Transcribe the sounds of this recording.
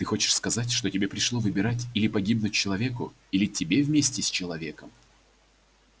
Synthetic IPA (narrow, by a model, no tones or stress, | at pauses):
t̪ɨxot͡ɕɪ̥ʂskɐzat̬ʲʂt̪otʲɪbʲepɾʲɪʂlˠo̞vɨbʲɪɾatʲilʲɪpɐɡʲibnʊt̚ʲt͡ɕɪlˠɐvʲe̞kʊ | ilʲɪtʲɪbʲe̞vmʲesʲtʲɪsʲt͡ɕɪlˠɐvʲe̞kəm